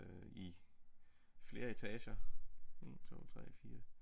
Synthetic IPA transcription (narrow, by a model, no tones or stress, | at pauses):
i | fle̝ːɐe̝t͡sʰɛɕɐe̝̰ːnt͡sʰo̝̰ːt͡sʰʁɛfiːɐ